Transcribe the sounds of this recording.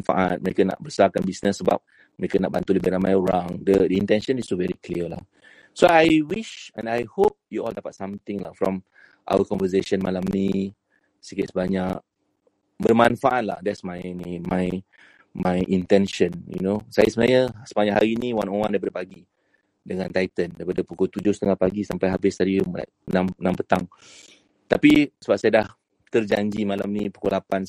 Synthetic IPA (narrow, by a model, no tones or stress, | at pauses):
nfa̰ʔat̚məɾekana̰ʔ̚bəsakanbisnəsːəba̰p̚ | məɹekənaʔba̰nt̪uləbilamajuɹãŋdədəĩnt̪ɛ̃nʃə̃nistuvɛɹikliəla̰h | soajwiʃɛ̃najhop̚juʔɔldapat̚sãmt̪ɪ̃ŋla̰hfɹɔ̰̃m | ʔa̰wəkɔ̃nvəs̬eʃə̃nmalamːi | sikətsbaɲak̚ | bərmãnfaʔat̚la̰hdɛtsmajnimaj | majʔint̪ɛnʃənjṵnosajasəənajəsə̥paɲaʔhaɾinĩwanowãndajp̬adapaɡi | dəŋant̪ajt̪əndajpadapukot̪ud͡ʒʊhsət̪əŋalpaɡisampajɦabɪst̪aɾila̰ʔnamnãmpət̪aŋ | t̪apisəbap̚sajədah | t̪ərd͡ʒaɲd͡ʒimalamnipu̥kolapan